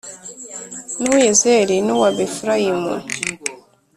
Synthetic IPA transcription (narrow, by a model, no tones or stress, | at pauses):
nuwjezeɾinuwabefuɾajimṵ